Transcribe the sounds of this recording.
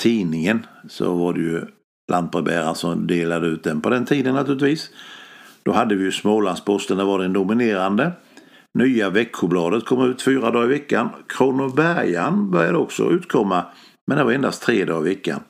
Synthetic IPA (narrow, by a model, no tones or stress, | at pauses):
t̪ʰiːnɪŋənsɔ̰vaɖɛjɵ | lʔand̪̚bɾɛbæːɾansɔmd̪eːlad̪əʉ̟ːt̪̚d̪ɛnpʰɔd̪ɛnt̪ʰiːd̪ənnːat̪ʰʉ̟ɾlɪt̪viːs | d̪̥ɔɦad̪ːəvɪjɵsmoːlanspʰɔst̪ənd̪ævaɖ̪ɛnd̪ʊmɪneːɾand̪ə | nyːavɛkʰːʊblɑːd̪ət̪kʰɔmːʉ̟ːt̪fyːɾad̪ɑːɪvɛkːankʰɾuːnʊbæɾja̰nbœɾjad̪əɔksɔ̰ʔʉ̟ːt̪kʰɔmːa | mɛnd̪ɛvaɾɛnd̪ast̪ʰɾeːd̪ɑ̰ːɪvɛkːa̰n